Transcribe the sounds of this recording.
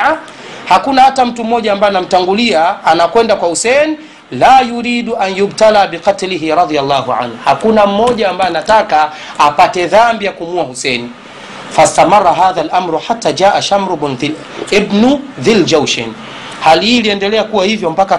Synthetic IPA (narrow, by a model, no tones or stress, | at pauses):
a | hakunahatam̩tum̩mɔʄaːmbaɛanam̩taŋɡuliaːnakwɛndakwahusɛni | laːjuɾiːɗuʔanjubtalabiqɑtliɦiɾɑðijalˠːaːhuʕa̰nhuhakunam̩mɔʄaːmbaɛanataka | apatɛðambijakumuahusɛni | fast̪amɑrˤːɑɦaːðalʔamɾħatːad͡ʒaːʔaʃamɾubn | ibnuðild͡ʒawʃɛ̰n | halihiːliɛndɛlɛakuwahivjɔm̩paka